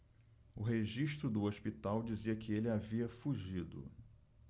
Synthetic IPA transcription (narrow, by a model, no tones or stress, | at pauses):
ʊɦeʒiʃt̪ɾʊd̪ʊoʃpit̪awd͡ʒiziɐkɪelɪaviɐfuʒid̪ʊ̰